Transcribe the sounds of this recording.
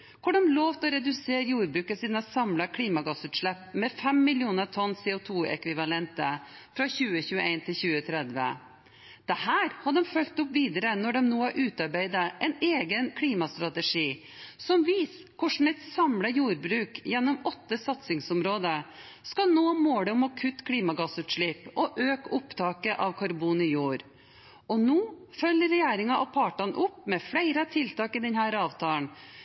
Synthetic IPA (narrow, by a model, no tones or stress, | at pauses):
kʰʊɖɑmloːʋt̪ɔɾɛd̪ʉseːɾjuːɾbɾʉːkəsiːd̪nəsɑmləkʰliːmɑɡɑsʉːt̪ʂɭɛpːmɛfɛmːɪlɪuːnət̪ʰɔnsɛːʊt̪ʰuːɛ̰kʋɪʋɑlɛnt̪əfɾɑçʉːəçʉːəeɪnt̪ʰɪlçʉːət̪ʰɾɛd̪ʋə̰ | d̪̥ɛhæːɾhɑɖ̪ɔmfœlt̪ʊpʋiːd̪əɾənɔɖɔmnoːɑʔʉːt̪ɑɾbæɪd̪əʔɛɪneːɡənkʰliːmɑst̪ɾɑt̪əʂiː | sɔmʋiːs | kʰʊʂɳ̩ɛt̪sɑmləjuːɾbɾʉːkjɛnːɔmɔt̪ːəsɑt̪sɪŋsɔmɾoːd̪ə | skɑlnoːmoːɽəɔmɔkʰʉt̪ːkʰɽiːmɑɡɑsʉːt̪ʂɭiːpʔɔʔøːkʊpt̪ʰɑːkəʔɑʋkʰɑɾbuːnɪjuːɾ | ɔnuːfœlːəɾɛjeːɾɪŋɑʔɔpʰɑːʈɑnʔʊpːmɛfɽæɪɾɑt̪ʰɪlt̪ɑːkɪd̪ɛnhæːɾɑːʋt̪ʰɑːən